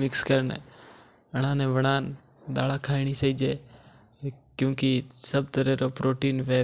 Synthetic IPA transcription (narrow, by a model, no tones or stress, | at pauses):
mɪkskəɾnɛ̰ | əɽ̃ãːnẽʋəɽ̃aːn | ɗ̪aːlakʰaːiɽ̃isəiːd͡ʒeː | kjõːkisəb̚t̪əɾeːɾopɾʔoːʈiːnʋeː